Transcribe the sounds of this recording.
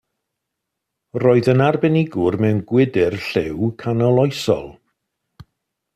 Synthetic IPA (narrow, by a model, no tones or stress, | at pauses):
roːɨðənarbɛnɪɡʊrmɛwnɡwɪdɪrɬɪwkʰanɔlˠɔjsɔ̰lˠ